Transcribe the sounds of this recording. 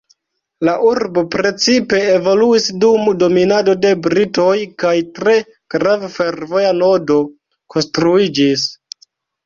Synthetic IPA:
laʔuɾbo̞pɾe̞t͡sipe̞ːvo̞luisdumdo̞minado̞de̞bɾito̞jkajtɾe̞ | ɡ̥ɾavfe̞ɾvo̞jano̞do̞ | ko̞nstɾuid͡ʒis

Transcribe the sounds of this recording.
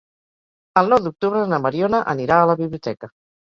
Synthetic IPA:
əlˠnɔwd̪uk̚t̪uβɾənəməɾionəʔə̰niɾaːləβiβliut̪ɛkə

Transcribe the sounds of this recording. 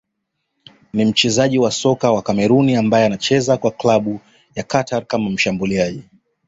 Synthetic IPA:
nim̩t͡ʃɛzaʄiwasɔkawakamɛɾuniambajɛanat͡ʃɛzakwaklaɓu | jakataɾkamam̩ʃambuliaʄi

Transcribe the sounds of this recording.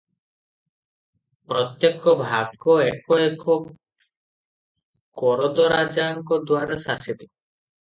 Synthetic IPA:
pɾɔt̪jekɔbʱaɡkɔekɔekɔ | kɔɾɔd̪ɔɾad͡ʒaŋkɔd̪waɾasasit̪ɔ̥

